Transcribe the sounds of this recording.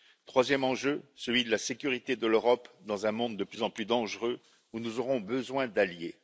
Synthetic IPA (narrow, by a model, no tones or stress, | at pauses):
t̪χwazjɛmɑ̃ʒøsəlɥid̪əlasekʲyʁit̪ed̪əløʁɔpd̪ɑ̃zɛ̃mɔ̃d̪ːəplyzɑ̃plyd̪ɑ̃ʒʁø | unuzɔʁɔ̃bəzwɛ̃d̪alje